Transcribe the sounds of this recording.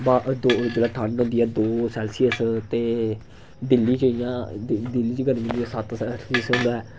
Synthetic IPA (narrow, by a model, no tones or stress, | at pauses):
baːʔd̪oːd͡ʒeːlaːʈʰənɦʊ̃nd̪iːɛːd̪oːsɛːlsiːəst̪eː | d̪ɪlːiːt͡ʃːijãːd̪ɪlːiːt͡ʃɡəɾɪ̃nd̪iːɛːsət̪ɛsiəsɦʊ̃nd̪aːɛː